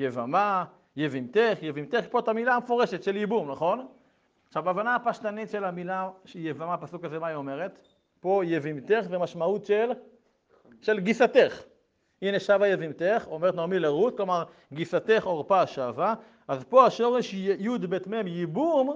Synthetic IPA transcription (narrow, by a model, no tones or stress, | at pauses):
jevama | jevimt̪eχjevimt̪eχpot̪amilamefo̞ʁe̞ʃet̪ʃe̞ljibumnaχo̞n | χʃavaːvanaːpaʃtanit̪ʃe̞lamilaʃjevamapasukazemaio̞meʁet̪ | po̞jevimt̪eχzemaʃmaut̪ʃel | ʃe̞lɡisat̪eχ | ineʃavajevimt̪eχomeʁt̪noʁmileʁut͡sklo̞maʁ | ɡisat̪eχoʁpaʃava | ʔazpo̞aʃo̞ʁeʃjud̪bet̪memjibum